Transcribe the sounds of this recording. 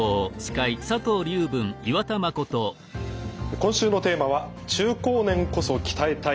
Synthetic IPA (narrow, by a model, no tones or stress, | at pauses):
oːɕi̥kaisat̪o̞ːɾʲɨːbɯ̟̃ŋiβat̪amako̞t̪o | ekõ̞ɰ̃ɕɨːno̞t̪e̞ːmaβa | t͡ɕɨːko̞ːnẽ̞ŋko̞so̞kʲi̥t̪aet̪a